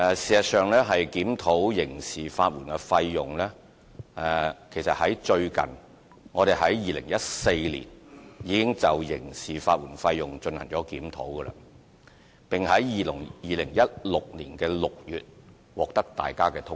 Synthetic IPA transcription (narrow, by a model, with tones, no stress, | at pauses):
ɛ˨˧siː˨ɐ˨t̚sœː˨ŋlɛː˥ɦɐ˨jkiː˨˥mt̪ʰo˨˥wjɪ˨˩ŋsiː˨faː˧t̚wuː˨˩nkɛ˧fɐ˧jːʊ˨ŋlɛː˥ | ɛ˨kʰe˨˩jsɐ˨t̚hɐ˨˥jt͡ʃɵ˧ɥkɐ̰˨˩n | ŋɔː˨˧ɾe˨˩jɦɐ˨˥jːiː˨lɪ˨˩ŋjɐ˥t̚se˧jlḭː˨˩njiː˨˧kɪ˥ŋt͡sɐ˨wjɪ˨˩ŋsiː˨˩faː˧t̚wuː˨˩nfɐ˧jːʊ˨˩ŋt͡ʃɵ˧nhɐ˨˩ŋt͡ʃɔː˨˥kiː˨˥mt̪ʰo̰˨˥wɡə˧la̰ː˧ | pɪ˨ŋhɐ˨˥jːiː˨lɪ˨˩ŋjiː˨˩lɪ˨˩ŋjɐ˥t̚lʊ˨k̚liː˨˩nkɛː˧lʊ˨k̚jyː˨t̚ | wɔː˨˩k̚t̪ɐ˥k̚t̪a̰ː˨jkaː˥kɛː˧t̪ʰʊ˥